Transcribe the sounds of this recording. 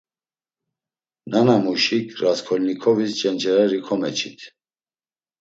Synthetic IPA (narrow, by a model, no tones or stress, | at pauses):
nanamuʃikʰɾaskʰɔlnikʰɔvist͡ʃʼɛnt͡ʃʰʼɛɾɛɾikʰɔmɛt͡ʃʰit̪ʰ